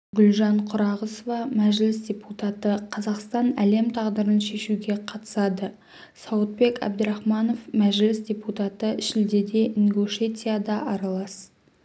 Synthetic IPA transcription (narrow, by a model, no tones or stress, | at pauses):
ɡʲʊlʒɑɴqʰʊɾɑʁəsovɑmæʒlɪsd̪ʲe̞put̪ɑt̪əqʰɑzɑqst̪ɑnæle̞mt̪ʰɑʁd̪əɾənʃe̞ʃuɡʲe̞qʰɑt̪ə̥sɑd̪ə | sɑwət̪̚be̞kɑ̰b̚d̪əɾɑχmɑno̞fmæʒlɪsdʲe̞put̪ɑt̪əɪʃɪld̪e̞d̪e̞ʔiŋɡoʃe̞tʲijad̪ɑʔɑɾɑlˠɑs